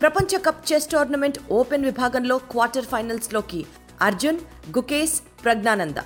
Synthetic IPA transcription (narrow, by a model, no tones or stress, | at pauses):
pɾɐpɐɲt͡ʃɐkɐpt͡ʃesʈaːɾnɐmeɳʈoːpenʋibʱaːɡɐnlo̞ːkʋaːɾʈɐɾpʰɐjnɐlslo̞ːki | ɐɾd͡ʒun | ɡukeːs | pɾɐɡ̚naːnɐnd̪ɐ̰